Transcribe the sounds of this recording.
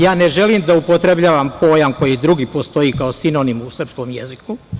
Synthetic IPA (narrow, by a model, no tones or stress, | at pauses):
jaːneʒe̞liːmd̪aupot̪ɾebʎaːʋampʰo̞ːjamko̞jid̪ɾuɡipo̞st̪o̞jiːkaosino̞nimusr̩psko̞ːmjḛziku